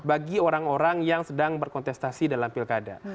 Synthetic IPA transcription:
baɡioɾaŋoɾaŋjaŋsədaŋbərkɔnt̪ɛst̪asidalamfilkada̰

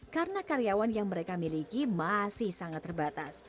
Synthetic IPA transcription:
karnakaɾijawanjaŋməɾekamilikimasɪhsaŋat̪ːərbat̪as

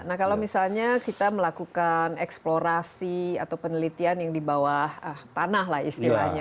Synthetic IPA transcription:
nahkalawmisalɲakit̪aməlakukanɛksploɾasiat̪awpənəlit̪ianjaŋdibawahəht̪anaɦlahist̪ila̰hɲa

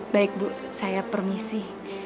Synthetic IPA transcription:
baɪk̚bu | sajapərmisɪh

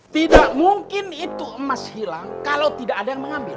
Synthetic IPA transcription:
t̪idaʔmuŋkɪnit̪uʔəmashilaŋkalawt̪idaʔadajaŋməŋambɪ̰l

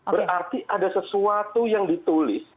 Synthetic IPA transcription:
bəɾart̪iʔadasəsuat̪ujaŋdit̪ulɪs

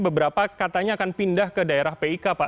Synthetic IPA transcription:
bəbəɾapakat̪aɲaːkanpindahkədaeɾahpeikapa

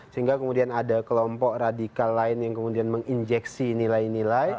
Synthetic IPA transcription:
səɦiŋɡakəmudianadakəlɔmpɔk̚radikalːaɪnjaŋkəmudianməŋind͡ʒɛksinilajnilaj

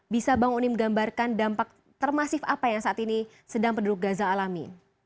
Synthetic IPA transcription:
bisabaŋunɪmɡambarkandampak̚ | t̪ərmasɪfapajaŋsaʔat̪ini | sədaŋpənduɾʊk̚ɡazaːlamḭ

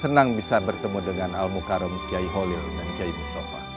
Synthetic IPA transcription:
sənaŋbisabərt̪əmudəŋanalmukaɾɔmkiaiɦolildankiaibisopa̰

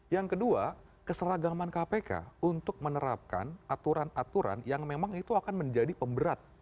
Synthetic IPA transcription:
jaŋkədua | kəsəɾaɡamankapeka̰unt̪ʊk̚mənəɾap̚ka̰nat̪uɾanat̪uɾa̰njaŋmemaŋit̪uakanməɲd͡ʒadipəmbəɾat̪̚

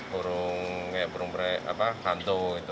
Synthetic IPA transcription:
puɾʊŋkajaʔpuɾʊŋpɾɛa̰pakant̪oit̪u

